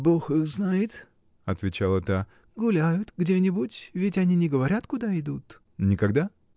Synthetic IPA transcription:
boxɨxznajɪt̪ | ɐt̪vʲɪt͡ɕalˠət̪a | ɡʊlʲæjʊt̪ɡdʲenʲɪbʊtʲvʲɪtʲɐnʲinʲɪɡəvɐɾʲat̪kʊd̪aɪd̪ut̪ | nʲɪkɐɡd̪a

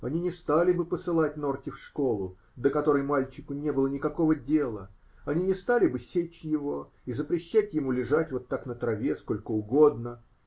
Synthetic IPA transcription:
ɐnʲinʲɪst̪alʲɪbɨpəsɨlˠatʲno̞rtʲɪfʂko̞lˠʊ | d̪əkɐt̪o̞ɾəjmalʲt͡ɕɪkʊnʲe̞bɨlˠənʲɪkɐko̞vədʲe̞lˠə | ɐnʲinʲɪst̪alʲɪbɨsʲet͡ɕjɪvo̞ | izəpɾʲɪɕːætʲjɪmulʲɪʐatʲvo̞t̪ːaknət̪ɾɐvʲe̞sko̞lʲkəʊɡo̞d̪nə

